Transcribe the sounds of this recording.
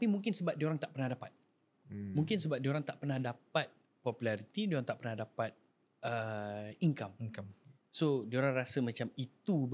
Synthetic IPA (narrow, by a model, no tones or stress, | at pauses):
apimuŋkɪnsəbap̚dioɾaŋt̪aʔpərnahdapat̪̚ | mũŋkɪnsəbap̚dioɾaŋt̪aʔpərnahdapat̪̚ | pɔpulaɾit̪idioɾaŋt̪aʔpərnahdapat̪̚ | ʔəiŋkam | sodioɾaŋrasəmãt͡ʃamit̪ub